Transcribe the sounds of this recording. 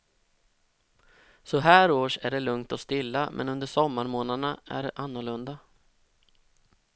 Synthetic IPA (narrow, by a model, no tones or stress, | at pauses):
sɔɦæːɾoːʂæɖɛlɵŋt̪ɔst̪ɪlːamʔɛ̰nɵnd̪əʂɔmːaɾmoːnaɳaæ̰ɖɛʔanːʊɭɵnd̪a